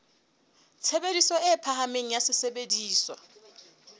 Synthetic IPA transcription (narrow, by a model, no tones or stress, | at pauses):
t͡sʰebedisɔɛpʰaɦameŋ̩jasɪsebediːswa